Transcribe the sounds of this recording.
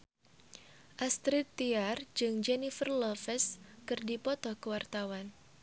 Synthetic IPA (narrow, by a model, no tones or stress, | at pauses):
ʔast̪ɾit̪ːiard͡ʒɨŋd͡ʒɛnifərlɔfɛskɨrdipɔt̪ɔhkəwart̪awan